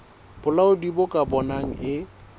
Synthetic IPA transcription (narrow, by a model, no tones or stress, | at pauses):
b̥ʊlaʊdibʊkʼabɔnaŋ̩ʔɪ